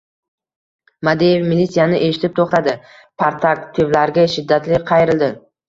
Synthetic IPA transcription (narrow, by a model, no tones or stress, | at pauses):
mad̪ejevmilːit̪sijanɪʔe̞ʃɪ̥t̪ʰɪp̚t̪ʰoχt̪ad̪ɪ | pʰaɾt̪ʰaɾt̪ʰːevlaɾɡʲaʃɪd̪ːat̪lɪqʰɑjɪɾɪld̪ɪ